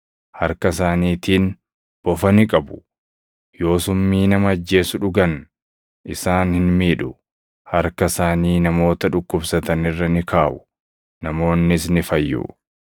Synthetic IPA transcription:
hɐɾkɐsaːniːt̪iːn | b̥ɔfɐnɪkʼɐbʊ̥ | jo̞ːsʊmːiːnɐmɐːd͡ʒːe̞ːsʊᶑʊɡɐn | ʔɪsaːnhɪnmiːᶑʊ | hɐɾkɐsaːniːnɐmo̞ːt̪ɐᶑʊkːʊbsɐt̪ɐnɪrːɐnɪkʰaːʔʊ | nɐmo̞ːnːɪsnɪfɐjːʊ̰

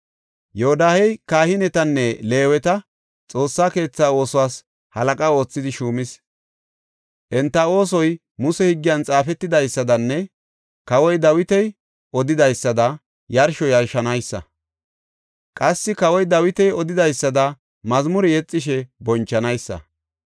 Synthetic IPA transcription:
johd̪aːhɛjkaːhɪnɛt̪ɐnːɛle̞ːwɛt̪ɐ | t͡sʼo̞ːsːaːke̞ːt͡sːaːo̞ːsɔwaːs | hɐlɐkʼao̞ːt͡sːɪd̪ɪʃuːmɪs | ʔɛnt̪ːɐo̞ːs̬ɔj | mʊsɛhɪɡːɪjɐnt͡sʼaːfɛt̪ːɪd̪ɐjsːɐd̪ɐnːɛ | kɐwɔjd̪ɐwɪt̪ɛj | ʔɔd̪ɪd̪ɐjsːɐd̪ɐ | jɐɾʃɔjɐɾʃɐnɐjsːɐ̰ | kʼɐsːɪkɐwɔjd̪ɐwɪt̪ɛjɔd̪ɪd̪ɐjsːɐd̪ɐ | mɐzmʊɾɪjɛt͡sʼːɪʃ̬ɛbɔnt͡ʃːɐnɐjsːɐ̰

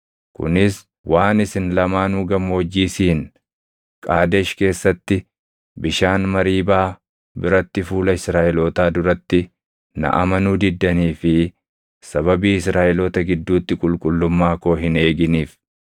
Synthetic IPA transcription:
kʊ̰nɪs | wʔaːnɪsɪnlɐmaːnuːɡɐmːoːd͡ʒːiːsiːn | kʼaːd̪eʃke̞ːsːɐt̪ːɪ | bɪʃaːnmɐɾiːbaː | bɪɾɐt̪ːɪfuːlɐɪsɾaːʔɛloːt̪aːd̪ʊɾɐt̪ːɪ | nɐ̰ʔɐmɐnuːd̪ɪd̪ːɐniːfɪ | sɐβɐbiːɪsɾaːʔɪloːt̪ɐɡɪd̪ːuːt̪ːɪkʼʊlkʼʊlːʊmːaːko̞ːɦɪne̞ːɡɪniːf

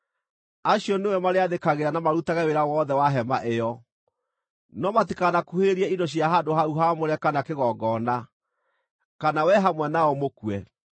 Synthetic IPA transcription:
aɕiɔnewɛmaɾeaðekaɣeɾanamaɾutaɣɛweɾawɔðɛwaɦɛmaʔejɔ | nɔmatikanakuheɾiɛindoɕ̬jaɦadoɦauɦamoɾɛkanakeɣɔɡɔna | kanawɛɦamwɛnaɔmokuɛ

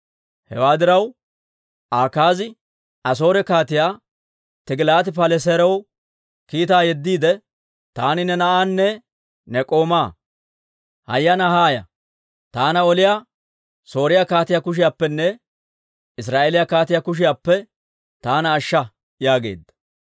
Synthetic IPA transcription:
hɛ̰waːd̪ɪɾɐw | ʔaːkaːzɪ | ɐs̬o̞ːɾɛkaːt̪ɪjaː | t̪ɪɡlaːt̪ɪpɐlɛs̬ɛɾɛw | kiːt̪aːjɛd̪ːiːd̪ɛ | t̪aːnɪnɛnɐʔaːnːɛ | nɛkʼo̞ːmaː | hɐ̰jːɐnɐhaːjɐ̰ | t̪aːnɐɔlɪjaː | so̞ːɾɪjakaːt̪ɪjakʊʃ̬ɪjaːpːɛnːɛ | ɪs̬ɾaːʔeːlɪjakaːt̪ɪjakʊʃ̬ɪjaːpːɛ | t̪aːnɐːʃːɐ | jaːɡe̞̰ːd̪ːɐ̥

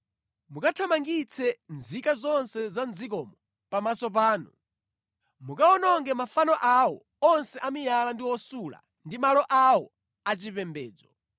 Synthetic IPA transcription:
mukatʰamaŋɡit͡sʰɛnzikazɔnsɛzand͡zik̬ɔmɔ | pamasɔp̬aːnu | mukaɔnɔŋɡɛmafanɔʔawɔ̰ | ɔnsɛʔamijalandiwɔsula̰ | ndimalɔʔawɔ | at͡ʃipɛmbɛːd͡zɔ

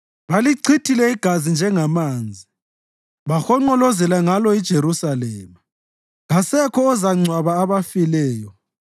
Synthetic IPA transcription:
βaliǀʰitʰilɛiɡ̥ʱazind͡ʒʱɛŋamaːnd͡zʱi | βaxɔŋ͡ǃɔlɔzɛlaŋalɔid̥ʒ̥ʱeɾusalɛːma | ɣasɛkʰɔːzaŋ͡ǀʱwaβaːβafilɛːjɔ

